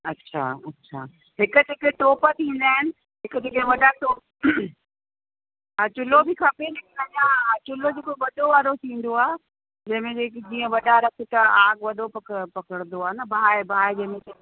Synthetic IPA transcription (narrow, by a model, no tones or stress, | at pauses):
ɐtːɕʰa̰ːɐtːɕʰa̰ː | ɦɪkʊt̪eːkeʈoːpət̪ʰĩːn̆d̪aːɪnɪ̆ | ɦɪkt̪ekẽʋɐɗaʈoː | at͡ɕʊlobikʰɐpeɦɪknɐaat͡ɕʊlod͡ʑeːkoʋɐɗoʋaːɾot̪ʰĩːn̆d̪oaː | d͡ʑɐ̃ɦɪ̃mẽd͡ʑekd͡ʑiːə̃ʋɐɗaɾɐkʰɪt̪aaːɡʋɐɗopɐkpɐkəɽ̃nd̪oaːɦenɐbaebaːed͡ʑɐ̃ɦɪ̃mẽte